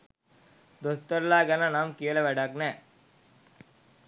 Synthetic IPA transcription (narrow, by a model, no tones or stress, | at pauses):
d̪ɔst̪ɐɾlaːɡɐnanaːmkijɐlɐʋɛɽaːkne